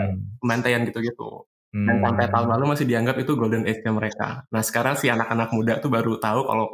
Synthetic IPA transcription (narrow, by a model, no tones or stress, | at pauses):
pəmbant̪ajanɡit̪uɡit̪ṵ | jaŋsampajt̪aʊnlalumasɪhdiaŋɡapit̪uɡoldənʔɛt̪̚ɲaməɾeka̰nahsə̥kaɾaŋsianakanak̚mudat̪ubaɾut̪auka̰lo